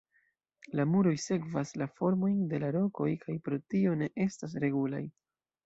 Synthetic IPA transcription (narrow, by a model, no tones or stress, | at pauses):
lamuɾo̞jse̞kvaslafo̞ɾmo̞jnde̞laɾo̞ko̞jkʰajpɾo̞tio̞ne̞ʔe̞stas̬ɾe̞ɡula̰j